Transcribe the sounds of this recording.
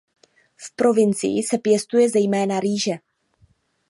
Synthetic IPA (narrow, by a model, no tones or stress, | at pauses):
fpɾo̞vɪnt͡sɪ̰jɪsɛpjɛst̪ujɛzɛjmɛːnaɾiːʒɛ